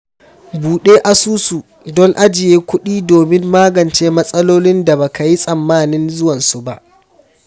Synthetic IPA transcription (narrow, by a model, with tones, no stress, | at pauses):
buː˨ɗeː˦ʔa˨suː˦su˨ | dɔ˦ŋʔa˦d͡ʒɪ˨jeː˦kʷʊ˦ɗiː˦doː˨mɪ˦mːaː˦ɡɐ˨nt͡ʃeː˦mɐ˦sʼɐ˦loː˦lɪ˦nda˨baː˨ka˨ji˦sʼɐ˨mːaː˦nɪ˦nzʊ˦wɐ˨nsu˨ba˦ʔ